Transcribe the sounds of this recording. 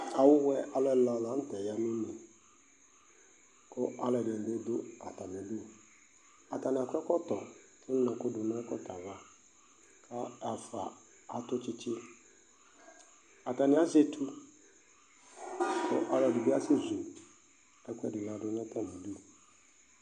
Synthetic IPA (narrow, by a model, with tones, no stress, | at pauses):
a˨wʊ˦wɛ˦ʔa˨lɛ˦˨la˨lã˨˦n̩˦tɛ˨ja˨nʊ̃˦nĩ˨ | kʰʊ˦a˦lɛ˨dde˦dʊ˦a˨ta˨n˨ɪ̃˨du˦o˨ | a˨ta˨nɪ˨a˨kʰʷɛ˦kɔ˦tɔ˨ | kʰɪ˦n˦nɔ̃˨kʊ˦dʊ˨nã˦kɔ̰˦tʰa˨va˦ | kʰa˦a˨fa̰˨ | a˨tʊ˦t͡ʃɪ˦t͡ʃɪ˦ | a˨ta˨nɪ̃˨˦a˦zɛ˦tʰu˦ | kʰʊ̰˦ʔa˦lɛ˨dʊ˨bi˦a˦sɪ˦zu˨ | ɛ˦kʷɛ̰˦dɪ˨lã˨dʊ˦nɛ̃˦tʰa˨mʊ̃˨du˦o˨